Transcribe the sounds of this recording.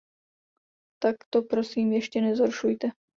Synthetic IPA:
t̪akt̪o̞pɾosiːmjɛʃcɛnɛzɦoɾʃujt̪ɛ

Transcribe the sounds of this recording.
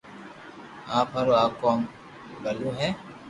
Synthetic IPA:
aːpʰɐɾoaːkɔːm | ɡɐlũɦɛː

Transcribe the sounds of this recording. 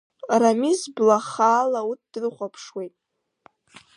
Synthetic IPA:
ramizblaχaːlaut̚ʰd̥ɨrχʷapʰʂwejtʼ

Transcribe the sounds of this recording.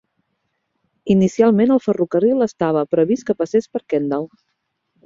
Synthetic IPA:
inisialˠmenəlˠfərukərilˠəst̪aβ̞əpɾəβiskəpəsespəɾkɛnd̪əlˠ

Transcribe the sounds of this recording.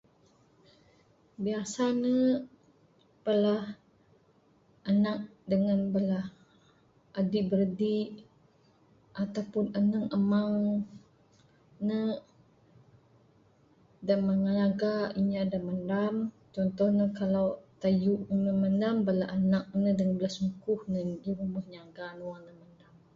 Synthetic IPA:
biasanə | pəlah | ʔanak̚dəŋanbəlah | adiʔbəɾdiʔ | ʔat̪awpʊnənəŋəmaŋ | nə | damaŋanaɡaiɲadaməndam | t͡ʃɔnt̪ɔhnəkalawt̪ajuʔnəməndambəlaʔanak̚nədəŋanbəlahsmukʊhnədiɾumbuhɲaɡanəwaŋnəməndam

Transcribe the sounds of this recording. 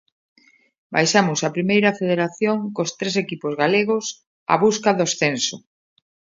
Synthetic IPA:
ba̰jʃamʊsɐpɾimejɾɐfeðeɾaθjoŋkost̪ɾes̬ekipozɣaleɣ̞os | a̰βuskaðosθenso̰

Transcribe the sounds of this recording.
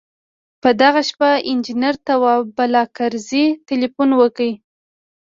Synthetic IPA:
pəd̪aɣaʃpaɪnd͡ʒinaɾt̪awɑbalɑkaɾzit̪ɪlifunwəkəj

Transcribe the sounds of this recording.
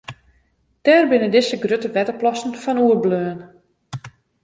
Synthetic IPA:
tɛːrbɪnədɪsəɡrøtəʋɛtəplɔsn̩fɔnuəbløːn

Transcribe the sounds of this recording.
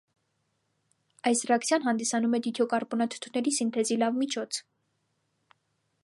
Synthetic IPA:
ɑjsrɛɑkt͡sʰjɑnɦɑnd̪isɑnumɛd̪it̪ʰɔkɑɾbɔnɑt̪ʰu̥t̪ʰunɛɾisint̪ʰɛzilɑvmit͡ʃʰɔt͡sʰ

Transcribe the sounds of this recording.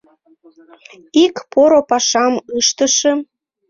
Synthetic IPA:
ikpoɾopɑʃɑmɯʃt̪əʃĕ

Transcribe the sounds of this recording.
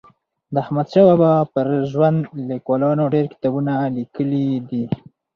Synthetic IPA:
d̪əahmad̪ʃawabapəɾʒwand̪likwɑlɑnoɖeɾkɪ̥t̪ɑbunalikəlid̪i

